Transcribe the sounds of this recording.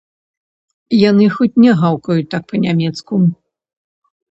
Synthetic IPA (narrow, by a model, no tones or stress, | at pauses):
janɨxɔt͡sʲnʲɛɣawkɐjut̪ak̚pɐnʲamʲɛt̪sku